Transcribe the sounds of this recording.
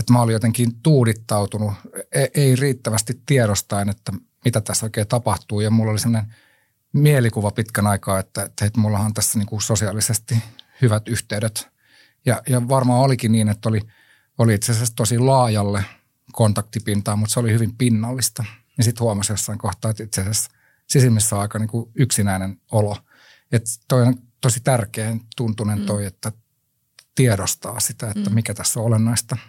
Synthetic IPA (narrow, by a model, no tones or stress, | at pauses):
et̪mæolijot̪eŋkiːnt̪uːɾit̪ːɑut̪unueʔeiriːt̪ːæʋæst̪it̪t̪iɛɾost̪ɑinet̪ːæ | mit̪æt̪æsoikeːt̪ɑpɑht̪uːjɑmulːolisemːonen | mielikuʋɑpit̪kænɑikɑːet̪ːæet̪ːet̪mulːɑhɑnt̪æsːæniːŋkusosiɑlisest̪ihyʋæt̪yht̪eyɾet̪ | jɑjɑʋɑrmɑːolikinniːnet̪ːoli | oliit̪seæsest̪osilɑːjɑlːe | kont̪ɑk̚t̪ipint̪ɑːmut̪seolihyʋimpinːɑlːist̪ɑ | nisit̪huɑmɑsjosːɑiŋkoht̪ɑːet̪it̪seæses | sisimːisːæɑikɑniːŋkuyksinæinenolo | et̪t̪oinent̪osit̪ærkeːnt̪unt̪unent̪oiet̪ːæ | t̪iɛɾost̪ɑːsit̪æet̪ːæmikæt̪æsːoolenːɑist̪ɑ